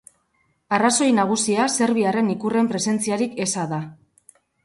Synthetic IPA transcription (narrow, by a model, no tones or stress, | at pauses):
araso̞jnaɣ̞usiase̞ɾβiare̞nikure̞mpɾe̞se̞nt͡siaɾike̞saða